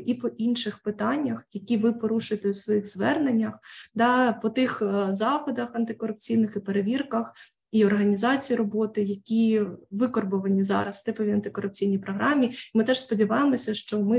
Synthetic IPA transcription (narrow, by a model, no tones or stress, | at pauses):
ipɔʔinʃɪxpɪt̪ɑnʲːɐxjɐkʲiʋɪpɔɾuʃʊjet̪ɛusʋɔjixzʋɛrnenʲːɐxd̪ɑpɔt̪ɪxzɑxɔd̪ɐxɐnt̪ɪkɔɾʊp̚t͡sʲijnɪxipeɾeʋʲirkɐx | iɔrɦɐnʲizɑt͡sʲijirɔbɔt̪ɪjɐkʲiʋɪkɔrbɔʋɐnʲizɑ̰ɾɐst̪ɛpɔʋʲiɐnt̪ɪkɔɾʊp̚t͡sʲijnʲijpɾɔɦɾɑmʲiimɪt̪ɛʃspɔdʲiʋɑjemɔsʲɐʃt͡ʃɔmɪ